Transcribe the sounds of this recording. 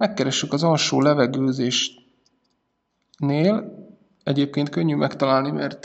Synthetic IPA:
mɛkːɛɾɛʃːykɒzɒlʃoːlɛvɛɡøːzeːʃ | neːl | ɛɟeːp̚keːnt̪̚kø̞ɲːymɛkt̪ɒlaːlnimɛ̰rt̪

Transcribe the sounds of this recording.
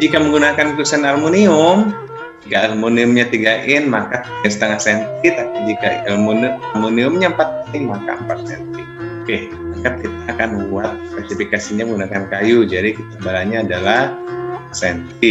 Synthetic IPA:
d͡ʒikaməŋɡunakankusanarmoniʊm | t̪iɡaːrmoniʊmɲat̪iɡaʔɪnmakat̪̚sə̥t̪əŋahsɛnt̪it̪akd͡ʒikaarmonamoniʊmɲaəmpat̪̚kaɪŋmaka̰əmpat̪̚sɛnt̪i | kɛh | makat̪̚kit̪aːkanbuat̪̚spasifikasiɲaməŋɡunakankajud͡ʒadikit̪abalaɲaːdalahasɛnt̪i

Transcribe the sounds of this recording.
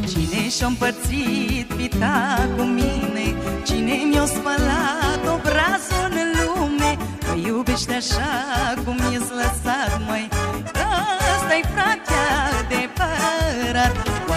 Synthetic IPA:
t͡ʃineʃampəɾt̪sit̪pit̪akuminet͡ʃinemiawspəlat̪obɾazonɨlume | jubeʃt̪eaʃakumːjesləsat̪məjkast̪ajfakʲad̪epəɾat̪̚

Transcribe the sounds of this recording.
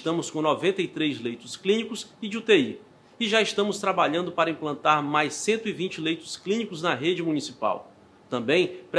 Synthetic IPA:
ʃt̪ɐ̃mʊskõnɔvẽnt̪ɐijt̪ɾejzlejt̪ʊsklĩnikʊsɪd͡ʒɪut̪ei | ɪʒaɪst̪ɐ̃mʊst̪ɾabaʎɐ̃nd̪ʊpaɾɐĩmplɐ̃nt̪aɾmajsːẽnt̪ʊivĩt͡ʃɪlejt̪ʊ̥sklĩnikʊznɐɦed͡ʒɪmunisipa̰w | t̪ɐ̃bẽj̃pɾ

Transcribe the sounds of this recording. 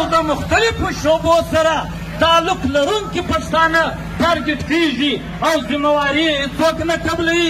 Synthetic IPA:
wd̪əmʊxt̪alɪfoʃobosaɾa | t̪ɑlʊklaɾuŋkipast̪ɑna | t̪aɾɡɪʈ̪keʒi | awzimawɑɾit͡soknakablawi

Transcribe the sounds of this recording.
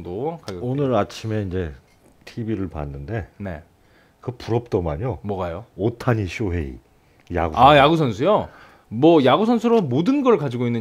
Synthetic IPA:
dokaɡonɯɾat͡ɕʰime̞ind͡ʑe̞ | tʰibiɾɯɭpa̰nːɯnde̞ne̞̰ | kɯpuɾʌp̚t͈ʌma̰ɲomwʌɡajootʰaɲiɕʰoɦe̞̰ḭ | ja̰ɡuajaɡus̬ʰʌnsʰujo | mwʌjaɡusʰʌnsʰuɾomodɯnɡʌɭkad͡ʑiɡoinːɯ

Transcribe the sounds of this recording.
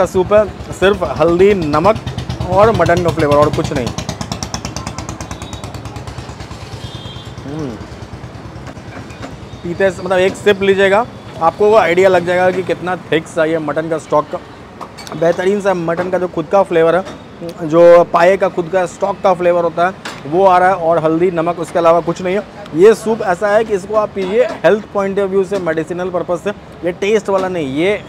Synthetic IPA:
asuːpɦɛsɪɾfɦɐld̪inɐməkɔːɾmɐʈənkafleːʋəɾɔːɾkʊt͡ʃʰnɐɦḭ̃ | ɦ | piːt̪esmɐt̪ləbeːksɪplid͡ʒaeːɡaː | aːp̚koaːɪɖijalɐɡ̚d͡ʒaeːɡak̬ikɪt̪nat̪ʰeksaːɦiɛmɐʈənkasʈɔːkːa | bɛɦt̪əɾiːns̬emɐʈənkad͡ʒoːxʊd̪kafleːʋəɾɦɛ | d͡ʒoːpaːjekaxʊd̪kaɦɛsʈɔːkːafleːʋəɾɦoːt̪aɦɛʋoaːɾaɦɛɔːɾɦɐld̪inɐməkʊskeɐlaːʋakʊt͡ʃʰnɐɦĩɦɛ | jesuːpɛːsaɦɛkiɪs̬koaːpːiːd͡ʒʱiehɛlt̪ʰpɔːɪ̃ɳʈeʋʋjuːsemɛːɖɪsiːnəlpɐɾpəsɛ | jeʈeːsʈʋaːlanɐɦĩjeː

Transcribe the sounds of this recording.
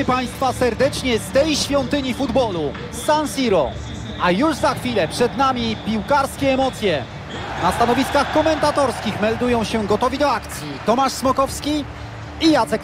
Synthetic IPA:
paj̃st̪fasɛɾd̪ɛt͡ʂɲɛst̪ɛjɕfʲjɔnt̪ɘɲifud̪bɔlu | sansʲiɾɔ | ʔajuʐzaxfʲilɛpʂɛd̪namʲipʲiwkaɾskʲɛːmɔt̪sʲjɛ | nast̪anɔvʲiskaxkɔmɛnt̪at̪ɔɾskʲixmɛld̪ujɔ̃w̃ɕɛɡɔt̪ɔvʲid̪ɔakt̪sʲjit̪ɔmaʂsmɔkɔfskʲi | ijat̪sɛk

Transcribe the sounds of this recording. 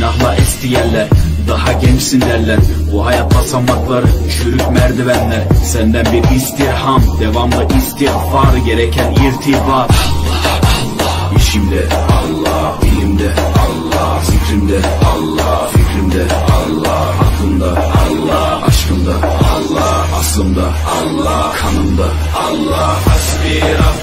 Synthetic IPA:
naɦlˠaʔɛst̪ʰijɛllːʲæɾd̪ahaɟɛnt͡ʃsind̪æɾlʲæɾbuɦajat̪̚basamːaklˠaɾɯt͡ʃʰyɾykmæɾd̪ivænlʲæɾsɛnd̪ænbiɾist̪iɾhamd̪evamd̪ˠɯʔist̪ihfaɾɯɟeɾɛcʰɛniɾt̪ʰivaɾ | iʃimd̪ɛɑlˠːɑ | bilimd̪ɛɑlˠːɑ | sikʰʲɾimd̪ɛɑlˠːɑfikʲʰɾimd̪ɛ | ɑlˠːɑ | hɑkʰlˠɯnd̪ɑɑlˠːɑ | ɑ̰ʃqɯnd̪ɑɑlˠːɑ | ɑslˠɯmd̪ɑ | ɑlˠːɑ | kʰɑnɯmd̪ɑ | lˠːɑ

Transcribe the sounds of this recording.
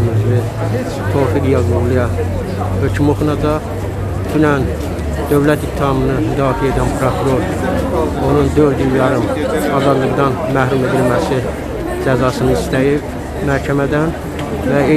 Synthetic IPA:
myzvi | t̪ʰo̞ɾlɯɡijɑzuɾlˠijɑ | hø̞cʰymoxnɑd̪ɑ | d̪̥ynæn | d̪̥ø̞vlæt̪ikt̪ʰːihɑmɯnɯmyd̪ɑːfieed̪ænpʰɾokʰuɾo̞ɾ | o̞nund̪øɾd̪ilːjɑɾɯmɑzɑd̪lˠɯɡd̪ɑnmæhɾume̞d̪ilmæsi | d͡ʒæzɑsɯnɯist̪æjib | mæɾcʰæmæd̪æn | væe

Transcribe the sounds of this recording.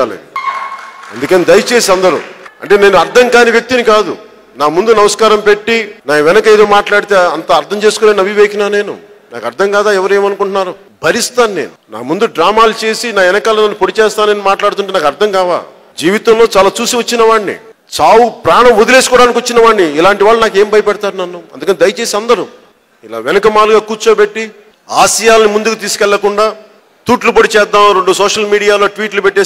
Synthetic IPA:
lḭ | ɐnd̪ukɐnid̪ɐjt͡ʃe̞ːsiɐnd̪ɐɾṵɐ̰ɳʈe̞ːne̞ːnuɐɾt̪ʰɐŋkaːniʋjɐk̚t̪inikaːd̪ṵ | naːmund̪unɐʋɐskaːɾɐmpe̞ʈːinaːʋɛnɐkɐeːd̪o̞ːmaːʈlaːɽit̪e̞ːɐnt̪ɐːɾt̪ʰɐmt͡ʃe̞ːsu̥koːnaːnɐbʱiʋeːkinaːne̞ːnṵ | na̰ːkɐɾt̪ʰɐŋkaːd̪aːɛʋɐɾue̞ːmɐnukuɳʈunːaːɾu | bʱɐɾist̪aːnːeːnuna̰ːmund̪uɖɾaːmaːlut͡ʃe̞ːsinaːɛnɐkaːlɐnɐnːupoɽit͡ʃɛːst̪aːneːnimaːʈlaːɽut̪uɳʈeːnaːkɐɾt̪ʰɐŋkaːʋa̰ː | d͡ʒiːʋit̪ɐmlo̞ːt͡ʃaːlaːt͡ʃuːsiʋɐt͡ʃːinɐʋaːɳnḭ | t͡ʃaːwupɾaːɳɐmod̪ule̞ːs̬ukɔːɽaːnikiʋɐt͡ʃːinɐʋaːɳːiːlaːɳʈiʋaːɭːunaːkeːmbʱɐjɐpɐɽɐt̪aːɾunɐnːuɐ̰nd̪ukɐned̪ɐjɐt͡ʃe̞ːsiɐnd̪ɐɾu | ila̰ːʋɛnɐkɐmaːluɡaːkuːɾt͡ʃoːpeʈːi | aːʃijaːlɐnimund̪ukut̪iːsu̥kɛɭːɐkuɳɖaː | t̪uːʈlupɐɽit͡ʃɛːd̪ːaːmɾeɳɖusoːʂɐlmiːɽijaːlo̞ːʈʋiːʈlupɛʈːeː

